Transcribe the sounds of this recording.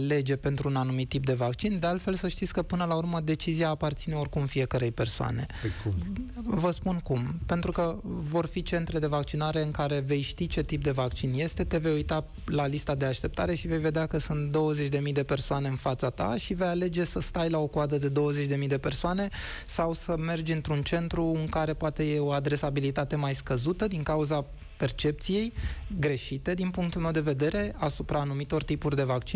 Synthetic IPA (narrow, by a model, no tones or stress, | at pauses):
le̞d͡ʒe̞pe̞nt̪ɾuːnanumit̪ːip̚d̪e̞vakt͡ʃind̪ealt̪fe̞lsəʃt̪it̪sʲkəpɨnəlaurməd̪e̞t͡ʃiziaːpart̪sineorkumfije̞kəɾe̞jpe̞rsoa̰ne̞̰ | vəspunkumpe̞nt̪ɾukəvo̞rfit͡ʃe̞nt̪ɾe̞d̪e̞vakt͡ʃinaɾe̞ɨŋkaɾe̞ve̞jʃt̪it͡ʃe̞t̪ip̚d̪e̞vakt͡ʃinje̞st̪e̞t̪e̞ve̞jujt̪a | lalist̪ad̪e̞aʃt̪e̞p̚t̪aɾe̞ʃive̞jve̞d̪eakəsunt̪̚d̪o̞wəze̞t͡ʃʲd̪e̞mijd̪e̞pe̞rsoane̞ɨnfat̪sat̪a̰ʃive̞jale̞d͡ʒe̞səst̪ajlao̞koad̪əd̪e̞d̪o̞wəze̞t͡ʃʲd̪e̞mijd̪e̞pe̞rsoane̞sawsəme̞rd͡ʒʲɨnt̪ɾunt͡ʃe̞nt̪ɾuɨŋkaɾe̞poat̪e̞je̞o̞ad̪ɾe̞sabilit̪at̪e̞majskəzut̪əd̪iŋkauza | pe̞rt͡ʃe̞p̚t̪sije̞jɡɾe̞ʃit̪e̞d̪inpuŋk̚t̪ulmewd̪e̞ve̞d̪e̞ɾe̞asupɾanumit̪o̞rt̪ipurʲd̪e̞vakt͡ʃin